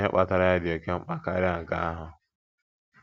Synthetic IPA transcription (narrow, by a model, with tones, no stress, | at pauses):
e˦k͡pa˦ta˨ɾa˦ja˦dɪ˨o˨ke˦m̩˦k͡pa˦ka˦ɾɪ˦a˨ŋ̩˨ɡa̰˦a˦ɦʊ˨